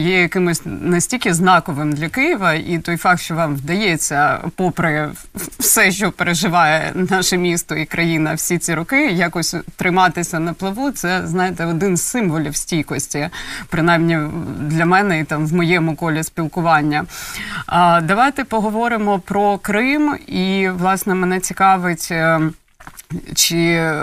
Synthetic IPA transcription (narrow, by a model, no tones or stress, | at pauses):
jɛjɐkɪmʊsʲnɐsʲtʲilʲkʲɪznɑkɔʋɪmd̪lʲɐkɪjɪʋɐit̪ɔjfɑk̚t̪ʃt͡ʃɔʋɑmʋd̪ɐjɛt͡sʲːɐpɔpɾɛ | fsɛʃt͡ʃɔpeɾeʒɪʋɑjɛ̰nɑʃɛmʲist̪ɔikɾʔɐjinɐwsʲit͡sʲiɾʊkɪjakɔsʲt̪ɾɪmɑt̪ɪsʲɐnɐplˠɐʋut̪sɛznɑjɪt̪ɛɔd̪ɪnzsɪmʋɔlʲiwsʲtʲijkɔsʲtʲipɾɪnɑjmnʲid̪lʲɐmɛnɛit̪ɑmʋmɔjɛmʊkɔlʲɪsʲpʲilˠkʊʋɑnʲːɐ | d̪ɐʋɑjt̪ɛpɔɦɔʋɔɾɪmɔpɾɔkɾɪmiʋlˠɑsnɛmɛnɛt͡sʲikɑʋɪtʲ | t͡ʃɪ